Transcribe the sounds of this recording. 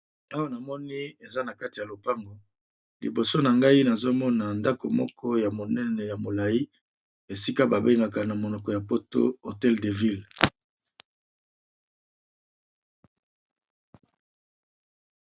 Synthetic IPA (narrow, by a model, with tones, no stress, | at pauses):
a˦wa˦na˨mɔ˦ni˦e˨za˦na˨ka˦ti˨ja˨lo˨pa˦ŋɡo˨ | li˨bo˨so˦na˨ŋɡa˦i˦na˨zo˦mɔ˦na˨nda˦ko˨mɔ̰˦kʰɔ˦ja˨mo˨nɛ˦nɛ˨ja˨mo˨la˨i˦ | e˨si˦ka˦ba˨be˦ŋɡa˨ka˨na˨mo˨nɔ˨kɔ˨ja˨po˦to̰˦o˨tɛ˦lde˨vi˦l